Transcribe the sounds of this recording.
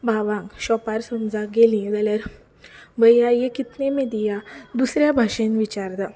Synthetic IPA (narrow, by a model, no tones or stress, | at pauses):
bʱaʋãŋɡɕɔpaɾsəmd͡zaɡelĩd͡zaljaɾ | bəjajekit̪nemed̪ijad̪usɾjabʱaʂẽnʋit͡ɕaɾd̪a